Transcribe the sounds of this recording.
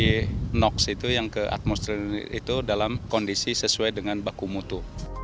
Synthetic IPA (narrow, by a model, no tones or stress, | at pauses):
inɔksit̪ujaŋkəʔa̰t̪̚mɔst̪ɾiḭt̪udalamkondisisəsuajdəŋanbakumut̪u